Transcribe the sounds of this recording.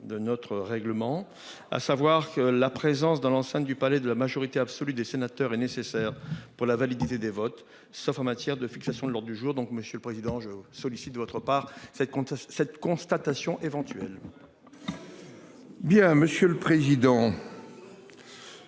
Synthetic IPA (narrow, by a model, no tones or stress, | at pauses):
d̪ənɔt̪χəʁɛɡləmɑ̃ | a̰savwaʁkəlapχezɑ̃sd̪ɑ̃lɑ̃sɛ̃t̪d̪ypalɛd̪əlamaʒɔʁit̪eabsɔlyd̪esenat̪œʁɛnesesɛʁpuʁlavalid̪it̪ed̪evɔt̪ | sɔfɑ̃mat̪jɛʁd̪əfi̥ksasjɔ̃d̪əlɔʁd̪ʁəd̪yʒuːʁd̪ɔ̃kməsjələpχezid̪ɑ̃ʒəsɔlisit̪d̪əvɔt̪χəpaːʁsɛt̪kɔ̃sɛt̪kɔ̃st̪at̪asjɔ̃ʔevɑ̃t̪ɥɛl | bjɛ̃məsjøləpχezid̪ɑ̃